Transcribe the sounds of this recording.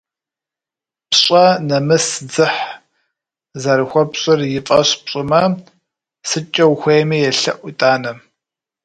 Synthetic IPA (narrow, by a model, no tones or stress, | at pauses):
pɕʼɐnɐmɨsd͡zɨħ | zɐɾɨxʷɔpɕʼɪrjɪfʼɐɕpɕʼɪmɐ | sɨt͡ʃʼɐwxʷejmiːjɛɬɐʔʷitʼaːnɐ